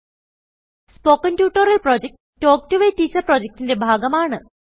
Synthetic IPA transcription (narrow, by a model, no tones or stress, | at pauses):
spoːkːɐntjuːʈːɐɾɐlprod͡ʑek̚ʈ | tːo̞ːk̚ʈuʋeːtiːt͡ɕːɐrproːd͡ʑek̚ʈinde̞bʱaːɡɐmaːɳɨ